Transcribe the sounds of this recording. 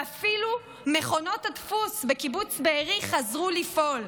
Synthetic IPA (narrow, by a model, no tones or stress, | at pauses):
afilu | me̞χo̞no̞thatfusbekibut͡sbeeʁiχazʁulifʔo̞l